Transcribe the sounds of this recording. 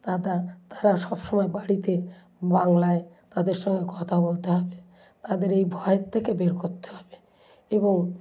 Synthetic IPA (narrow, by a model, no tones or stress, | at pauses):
t̪ad̪aɾt̪aɾaʃɔbʃɔmɔebaɽit̪e | baŋlae | t̪ad̪eɾʃɔŋɡekɔt̪ʰabolt̪eɦɔbe | t̪ad̪eɾejbʱɔet̪ʰːekebeɾkoɾt̪e̥ɦɔbe | eboŋ